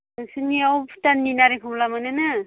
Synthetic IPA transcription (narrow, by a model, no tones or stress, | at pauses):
sɯniawpʰtanːinaɾekʰumlamanɯna